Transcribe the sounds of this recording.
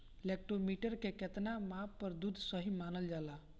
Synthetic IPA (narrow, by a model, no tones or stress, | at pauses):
lek̚ʈɾomiʈəɾkeket̪namapːəɾd̪ud̪ʱsəɦimanəld͡ʒala